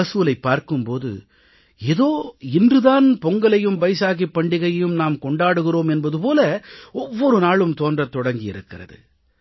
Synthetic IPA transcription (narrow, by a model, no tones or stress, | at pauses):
ɐsuːlɐɪpːaːɾkɯmpoːðɯ̰ | eðoːɪndrɯðaːnpɔŋɡɐɭɐjɯmbɐɪsaːɣipːɐɳɖɪɣɐjjɯmnaːmkɔɳɖaːɽɯɣɪroːmɛnbɐðɯpoːlɐɔʋːɔɾɯnaːɭɯmt̪oːndrɐt̪ːɔɽɐŋɡɪjɪ̰ɾɯkːɪrɐ̰ðɯ̰